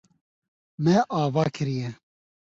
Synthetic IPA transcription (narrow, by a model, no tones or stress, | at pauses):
mɛʔaːvaːkʰɨɾijɛ